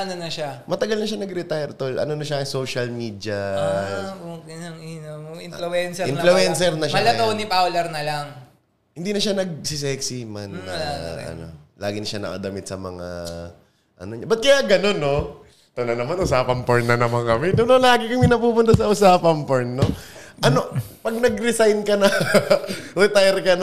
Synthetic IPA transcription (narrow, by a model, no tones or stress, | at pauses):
ɐnonɐʃamɐt̪ɐɡalnɐʃanɐɡɾɪt̪ajɛɾt̪olʔɐ̰nonɐʃaɐŋsoːʃɐlmiːd̪jɐ | ʊkɐnɐŋinɐɪnlʊɛnsɛɪnflʊʔɛnsɛɾnɐʃmɐlɐtownɪpawlɛɾnɐlaŋ | hɪnd̪iːnɐʃanɐɡ̚sɪsɛksimanɐɐ̰no̞̰laːɡɪnɐʃanɐ̰kɐ̰d̪ɐmɪt̪̚sɐmɐŋa̰ | ʔɐ̰noɲabɐt̪̚kɐjaɡɐno̞nːo | t̪ʊnɐnɐmanʔʊsaːpɐmpoɹnːɐnɐmɐŋkɐmɛd̪onolaːɡɪkɐŋmɪnɐpuːpʊnt̪asɐʔʊsaːpɐŋpoɹnːoɐno̞ | pɐɡ̚nɐɡɾɪsajnkɐnɐ | ɾɪt̪ajɾkɐn